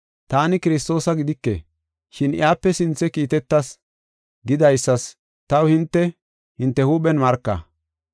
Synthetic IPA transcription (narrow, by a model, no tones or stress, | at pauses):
t̪aːnɪkɪɾɪs̬t̪o̞ːsɐɡɪd̪ɪkːḛ | ʃɪnʔɪ̰aːpːɛsɪnt͡sːɛkiːt̪ɛt̪ːɐs | ɡɪd̪ɐjsːɐs | t̪ɐwhɪnt̪ːɛ | hɪnt̪ːɛhuːɓɛnmɐɾkːɐ̰